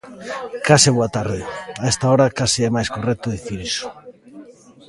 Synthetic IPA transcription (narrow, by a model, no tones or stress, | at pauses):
kasɪβoat̪aɾðɪaɛst̪aɔɾakasiɛmajskorɛk̚t̪ʊðiθiɾisʊ̥